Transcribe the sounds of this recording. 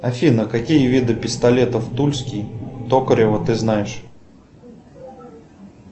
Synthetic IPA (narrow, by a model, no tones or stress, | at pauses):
ɐfʲinəkɐkʲijəvʲid̪ɨpʲɪst̪ɐlʲet̪əft̪ulʲskʲijt̪okəɾʲɪvət̪ɨznajɪʂ